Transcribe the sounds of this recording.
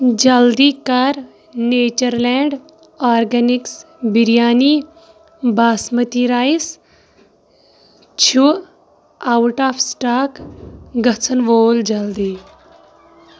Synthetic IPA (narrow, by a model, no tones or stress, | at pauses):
d͡ʒɐld̪iːkaɾ | neːt͡ʃəɾlɛɳɖ | aːɾɡɐniks | biɾjaːniː | baːsmət̪iɾaːjs | t͡ʃʰu | awʈaːfsʈaːkɡɐt͡sʰənʋoːld͡ʒɐld̪iː